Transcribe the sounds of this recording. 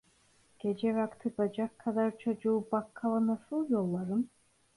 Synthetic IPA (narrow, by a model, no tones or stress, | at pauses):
ɡ̥ʲed͡ʒɛvakt̪ʰɯbad͡ʒakʰːad̪aɾt͡ʃʰod͡ʒubakʰːalˠɯnasɯlˠjolˠːaɾɯn